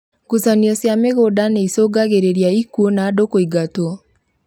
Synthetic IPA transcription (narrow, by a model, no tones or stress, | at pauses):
kusaniɔsjameɣodaneisoɡaɣeɾeɾjaikuonaːdokoiɡato